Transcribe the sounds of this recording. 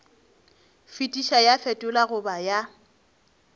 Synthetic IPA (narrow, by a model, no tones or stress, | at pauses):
fitʼiʃajafɛtʼʊlaɣʊbaja